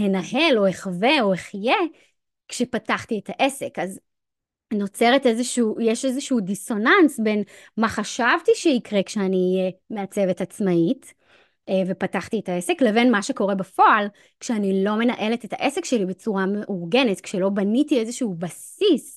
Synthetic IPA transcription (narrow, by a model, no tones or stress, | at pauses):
henahe̞lo̞eχave̞o̞eχje | kʃepataχtietaʔe̞se̞kaz | no̞t͡seʁete̞zeʃuuːjeʃezeʃuːdiso̞nansbe̞nmaχaʃavtiʃeikʁe̞kʃeaniːjeme̞at͡se̞vetat͡smait | vepataχtietae̞se̞kleve̞nmaʃeko̞ʁe̞bafo̞al | kʃeanilo̞me̞naʔe̞letetʰa̰ʔesekʃelibe̞t͡suʁameʔuʁɡe̞netkʃelo̞banitie̞zeʃuubasis